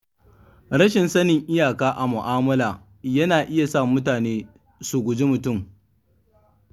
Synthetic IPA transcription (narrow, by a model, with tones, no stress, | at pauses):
ɾɐ˦ʃɪ˨nsɐ˦nɪ˨ŋʔɪ˦jaː˨kaː˦ʔa˨mʊ˨ʔaː˦mɐ˦laː˨ | jɐ˦naː˨ʔɪ˦ja˨sa˦˨mʊ˦t̬aː˨neː˦ | su˨ɡʷʊ˨d͡ʒi˦mʊ˨tʊ˦˨m